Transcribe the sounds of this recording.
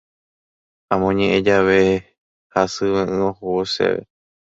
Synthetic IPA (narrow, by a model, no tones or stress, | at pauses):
ãmõɲẽʔẽd͡ʒaʋe | hasɨβẽʔɨ̃õhoosḛʋḛ